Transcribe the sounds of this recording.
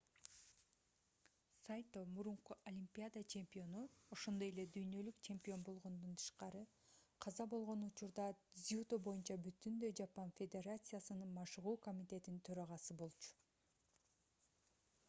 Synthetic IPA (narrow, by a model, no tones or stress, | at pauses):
sajt̪omuɾuɴquʔɐlʲimʲpʲiad̪at͡ʃʰe̞mʲpʲio̞nuo̞ʃo̞nd̪o̞je̞le̞d̪yjnø̞lykt͡ʃʰe̞mʲpʲio̞nbo̞lˠʁo̞nd̪unt̪ʰɯ̥ʃqɑɾɯ | qʰɑzɑbo̞lˠʁo̞nut͡ʃuɾd̪ɑzʲut̪obo̞junt͡ʃɑbyt̪ynd̪ø̞jd͡ʒɑpanfʲe̞d̪ʲe̞rat̪sɨjasɯnɯnmɑʃɯʁuːko̞mʲit̪e̞t̪int̪ʰø̞ɾɑʁɑsɯbo̞lˠt͡ʃu̥